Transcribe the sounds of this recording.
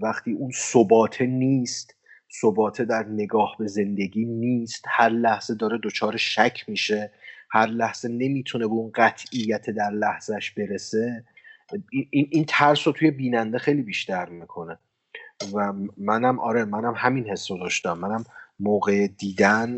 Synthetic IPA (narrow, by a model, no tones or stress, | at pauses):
væxt̪ʰiːunsobɒːt̪ʰe̞niːst̪ | sobɒːt̪ʰe̞d̪æɾne̞ɡɒːhbe̞ze̞nd̪e̞ɡiːniːst̪hæɾlæhz̥ed̪ɒːɾed̪ot͡ʃʰɒːɾeʃæcʰmiːʃe̞hæɾlæhz̥e̞ne̞miːt̪ʰune̞beunɢæt̪ʰijːæt̪ʰed̪æɾlæhz̥æʃb̥e̞ɾe̞se̞ | iinʔint̪ʰæɾsot̪ʰuje̞biːnænd̪e̞xejliːbiːʃt̪æɾmikʰo̞ne̞ | væmænæmɒ̰ːɾemænæmɦæminhe̞sːod̪ɒːʃt̪æmːænæmːoːɣed̪iːd̪æn